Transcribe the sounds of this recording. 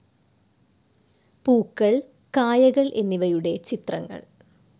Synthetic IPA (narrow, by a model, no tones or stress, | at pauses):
puːkːɐɭ | kaːjɐɣɐɭʔe̞nːiʋɐjuɽe̞t͡ɕit̪rɐŋːɐ̰ɭ